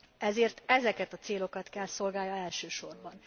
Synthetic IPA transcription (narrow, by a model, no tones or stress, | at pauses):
ɛzeːrt̪ɛzɛkɛt̪ɒt̪seːlo̞kɒt̪kɛlso̞lɡaːljɒɛlʃøːʃo̞rbɒn